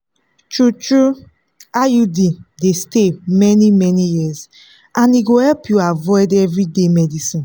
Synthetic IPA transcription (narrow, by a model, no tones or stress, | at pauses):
tɹutɹu | ajudidestemɛnimɛnijiz | ãniɡohɛlpʰjuavɔɪdɛvɹidemɛdisĩn